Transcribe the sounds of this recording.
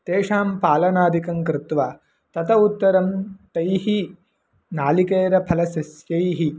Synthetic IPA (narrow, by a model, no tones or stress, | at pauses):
t̪eːʂaːmpaːlɐnaːd̪ikɐŋkɾɪt̪ʋaː | t̪ɐt̪ʰɐut̪ːɐɾɐmt̪ɐjhi | naːlikeːɾɐpʰɐlɐsɐsjɐjɦi